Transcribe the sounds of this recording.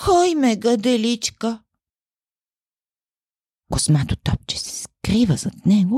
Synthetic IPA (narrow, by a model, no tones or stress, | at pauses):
xɔjmɛɡəd̪ɛlit͡ʃkə | kosmat̪ot̪ɔp̚t͡ʃɛ̥sɛ̥skɾivəzɐt̪nɛɡo